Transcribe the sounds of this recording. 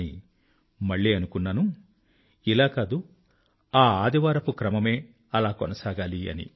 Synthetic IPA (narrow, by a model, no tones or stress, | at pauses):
i | mɐɭːiːɐnukunːɐnu | ilaːkaːd̪u | aːaːd̪iʋaːɾɐpukɾɐmɐme̞ː | ɐlaːkonɐsaːɡaːliɐ̰nḭ